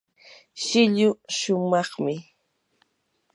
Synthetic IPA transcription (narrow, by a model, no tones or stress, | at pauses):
ʃɪʎʊʃʊmɑχmɪ